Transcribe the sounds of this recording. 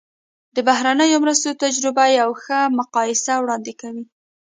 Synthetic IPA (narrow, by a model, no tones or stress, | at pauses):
d̪əbaɦɾanəjomɾəst̪ot̪ad͡ʒɾɪbajawxəmʊqɑjɪsawɽɑnd̪ɪkawi